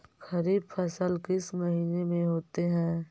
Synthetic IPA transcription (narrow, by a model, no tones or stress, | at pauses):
xɐɾiːbfʰəsəlkɪsmɐɦiːnemẽɦoːt̪eɦɛ̃ː